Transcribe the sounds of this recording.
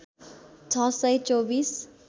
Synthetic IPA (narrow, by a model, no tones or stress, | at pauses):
t͡sʰʌ̃sʌjt͡sobis